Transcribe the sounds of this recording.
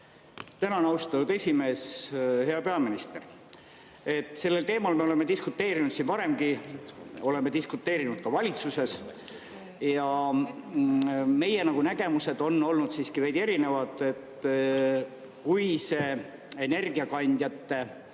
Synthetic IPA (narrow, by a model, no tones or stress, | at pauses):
t̪ænɑnɑwst̪ɑt̪ud̪e̞sʲime̞ːshe̞ɑpe̞ɑminist̪e̞r | e̞t̪ːˑse̞lːe̞lt̪e̞ːmɑlme̞o̞le̞mːed̪iskut̪ːe̞ːɾinud̪sinpɑɾe̞mɡi | o̞le̞mːed̪iskut̪ːe̞ːɾinud̪̥̚kɑvɑlʲit̪suse̞s | jɑ | me̞je̞nɑɡ̥unæɡe̞muse̞d̪̥o̞nːo̞lnud̪̥siːskivæjd̪e̞ɾine̞vɑt̪ːˑe̞t̪ | kujse̞ː | ene̞rɡiɑkɑnʲd̪̥ʲjɑt̪ːe̞